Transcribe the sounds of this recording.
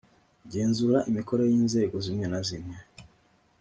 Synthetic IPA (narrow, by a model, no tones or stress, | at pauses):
ɟe̞ːnzuɾaʔimiko̞ɾejiːnze̞ːɡozimɲenazimɲe